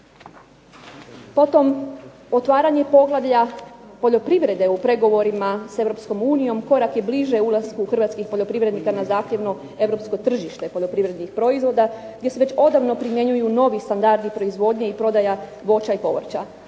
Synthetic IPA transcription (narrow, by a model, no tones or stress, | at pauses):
po̞t̪o̞m | o̞t̪ʋaːɾaɲe̞po̞ɡlˠaʋʎapo̞ʎo̞pɾiʋɾe̞d̪e̞upɾe̞ɡo̞ʋo̞ɾimase̞ʋɾo̞psko̞muːnijo̞mko̞ɾakjebliʒeulˠaskuxr̩ʋat̪skixpo̞ʎo̞pɾiʋɾe̞d̪nikanazaːxt̪ʲje̞ʋnu | e̞ʋɾo̞psko̞t̪r̩ʒiʃt̪e̞poʎo̞pɾiʋɾe̞d̪nixpɾo̞izʋo̞d̪a | ɡ̥d̪ʲjeseʋet͡ɕo̞d̪aʋno̞pɾimje̞ɲujuno̞ʋist̪and̪aɾd̪ipɾo̞izʋo̞ːd̪ɲe̞ipɾo̞d̪aja | ʋo̞t͡ʃaipo̞̰ʋr̩t͡ɕa